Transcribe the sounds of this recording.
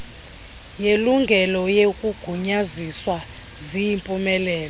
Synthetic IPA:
jeluŋɡʱɛlɔjekʼuɡ̥ʱuɲaziswa | zijimpʼumɛlɛːlɔ

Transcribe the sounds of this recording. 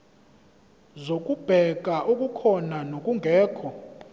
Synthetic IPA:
zok̬ʼub̥ʱɛk̬ʼaʔukʼukʰɔnanokʼuŋɡʱɛːkʰɔ

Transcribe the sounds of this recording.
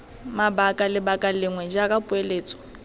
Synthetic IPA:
mabakʼalɪbakʼalɪŋwɛd͡ʒakʼapʼʊeleːt͡sʼɔ̥

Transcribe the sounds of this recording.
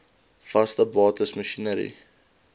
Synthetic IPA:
fɐstəbɑːtəsməʃinəɾḭ

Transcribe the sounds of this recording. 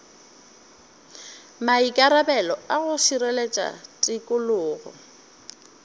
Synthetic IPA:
maikʼaɾabɛlɔaɣʊsirelet͡ʃʼa̰tʼɪkʼʊlʊːɣɔ̰

